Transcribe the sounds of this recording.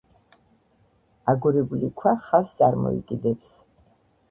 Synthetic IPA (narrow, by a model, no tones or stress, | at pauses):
aɡɔɾɛbulikʰwaχast̪sʼaɾmɔ̰ḭkʼid̪ɛps